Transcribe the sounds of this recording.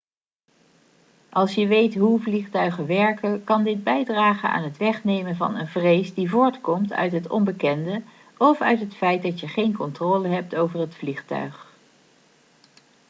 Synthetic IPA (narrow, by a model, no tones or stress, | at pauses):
ʔɑlˠsjəʋejtɦuvliχtœɥχənʋɛɹkənkɑndɪd̚bɛjdraːχəna̰ːnɦətʋɛχnejmənvɑ̰nənvrejsdivʊːɹtkɔmtʰœ̰ɥtɦətɔ̰mbəkɛndə | ɔfœ̰ɥtɦətfɛjt̚dɑtjəχejnkɔntroːləɦɛp̚towvərɦətfliχtœ̰ɥχ